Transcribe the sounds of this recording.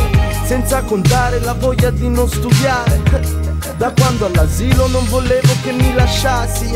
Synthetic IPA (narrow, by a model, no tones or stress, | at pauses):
sɛnt̪sakont̪aːɾelavɔʎːad̪inonst̪ud̪jaːɾe | d̪akwand̪oalːaziːlonoɱvoleːvokemːilaʃːaːsi